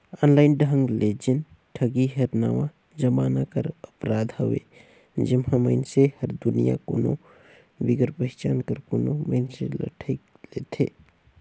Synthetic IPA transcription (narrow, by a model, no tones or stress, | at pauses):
aːnlaɪnɖɦə̃ŋɡled͡ʒən | ʈʰəɡiɦəɾnaʋã | d͡ʒəmanakəɾəpɾaːd̪ʱɦəʋḛ | d͡ʒɪmhãməɪnsehəɾd̪unija̰kono̰ | biɡəɾpəɦɪt͡ʃaːnkəɾkoːnoməɪnselə̰ʈʰəɪk | let̪ʰḛ